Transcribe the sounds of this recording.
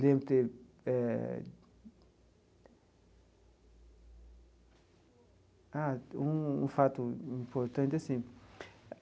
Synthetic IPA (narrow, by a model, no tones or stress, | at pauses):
lẽbɾʊt̪eɛ | aũũfat̪ʊĩmpoɾt̪ɐ̃nt̪ɪasĩ